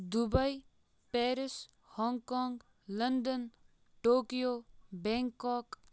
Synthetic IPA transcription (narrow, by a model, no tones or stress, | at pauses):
d̪ʊbəj | pɛːɾɪs | hɔːŋkɔːŋɡ | lənɖ̪ən | ʈoːkijobɛ̃ŋkɔːk